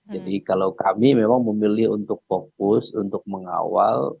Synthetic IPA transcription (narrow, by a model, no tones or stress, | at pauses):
d͡ʒadikalawkamimemaŋməmilɪɦunt̪ʊk̚fok̚ʊsunt̪ʊk̚məŋa̰wa̰l